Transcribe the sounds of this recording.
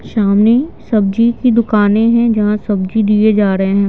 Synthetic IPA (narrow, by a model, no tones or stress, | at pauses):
ʃaːmnisɐb̚d͡ʒikid̪ʊkaːnẽɦɛ̃d͡ʒɐɦãsɐb̚d͡ʒid̪ied͡ʒaːɾɐɦeɦɛ̃ː